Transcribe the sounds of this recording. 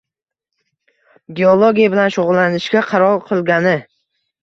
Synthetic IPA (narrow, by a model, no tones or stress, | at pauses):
ɡʲeolˠoɡʲijabɪlanʃoʁʊlˠːanɪʃkʲaqʰɑɾɒlˠqʰɨlˠɡʲanɪ